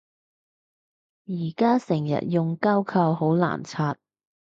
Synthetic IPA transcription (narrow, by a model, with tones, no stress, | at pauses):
jiː˨˩kaː˥sɪ˨˩ŋjɐ̰˨t̚jʊ˨ŋkaː˥wkʰɐ˧wɦo˨˥wla̰ː˨˩nt͡sʰaː˧t̚